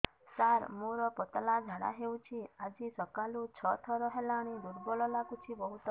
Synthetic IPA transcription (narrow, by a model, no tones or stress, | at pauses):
saɾmoɾɔpɔt̪lad͡ʒʱaɽa̰ɦewt͡ʃʰiad͡ʒisɔkalut͡ʃʰɔt̪ʰɔɾɔɦelaɽ̃id̪uɽbɔlɔlaɡut͡ʃʰibɔɦut̪ɔ